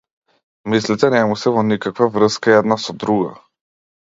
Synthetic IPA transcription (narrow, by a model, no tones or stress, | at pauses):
mislit̪ɛnɛmusɛvɔnikakvavɾəskaɛd̪nasɔd̪ɾuɡa̰